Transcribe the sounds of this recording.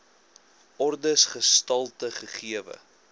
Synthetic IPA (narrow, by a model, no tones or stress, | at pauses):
ʔɔrdəsχəstɐlˠtəχəχiəvə̰